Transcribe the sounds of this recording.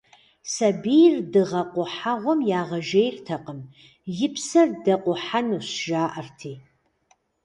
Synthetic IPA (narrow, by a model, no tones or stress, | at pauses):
sɐbijrdɨʁɐqʷʼʊħaʁʷɔmjaːʁɐʒejrtʰɐqəm | jɪpʰsɐrdɐqʷʊħanuɕʒaːʔɐrtʰiː